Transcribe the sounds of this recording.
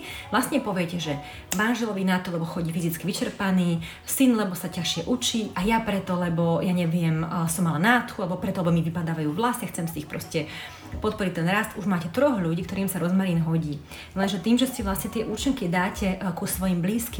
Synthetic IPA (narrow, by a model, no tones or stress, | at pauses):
ʋlasɲɛpɔʋiɛcɛʒɛ | manʒɛlɔʋinat̪ɔlɛbɔxɔɟiːfizit͡skiʋit͡ʃɛɾpaniː | sinlɛbɔsacaxʃɪɛʔut͡ʃiːajapɾɛt̪ɔlɛbɔjaɲɛʋɪɛmsɔmalanat̪xualɛbɔpɾɛt̪ɔlɛbɔmiʋipad̪aːʋajuːʋlasaxt͡sɛmsiːxpɾɔscɛ | pɔt̪̚pɔɾic̚t̪ɛnɾast̪uʒmaːcɛt̪ɾɔɣʎuɟiːkt̪ɔɾiːmsaɾɔzmaɾiːnɦɔɟiː | lɛnʒɛt̪iːmʒɛsɛʋlast̪ɲɛt̪ɪɛʔut͡ʃiŋkid̪aːcɛkusʋɔjimbliːski